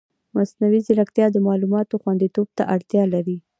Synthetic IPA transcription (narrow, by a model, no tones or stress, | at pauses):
masnawizɪɾakt̪jɑd̪əmɑlumɑt̪oxwand̪it̪ob̚t̪aʔaɽt̪jɑlaɾi